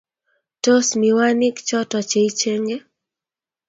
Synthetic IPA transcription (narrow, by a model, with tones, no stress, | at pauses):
to˦smi˨wa˦ni˦kt͡ʃɔ˦tɔ˨t͡ʃe˨i˦t͡ʃe˦ŋɡe˦